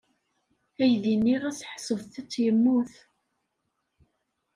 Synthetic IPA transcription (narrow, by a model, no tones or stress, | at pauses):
æjðinːiʁæsħsˤəvθit͡sːjəmːuθ